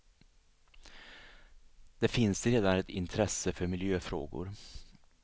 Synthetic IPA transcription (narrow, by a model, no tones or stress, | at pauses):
d̪̥ɛfɪnsɾeːd̪anɛt̪ɪnt̪ʰɾɛsːəfœɾmɪljøːfɾo̰ːɡʊ̰ɾ